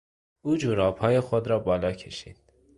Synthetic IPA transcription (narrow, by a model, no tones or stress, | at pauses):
uːd͡ʒuɾɒːpʰɒːjexod̪ɾɒːbɒːlɒːcʰeʃḭːd̪̥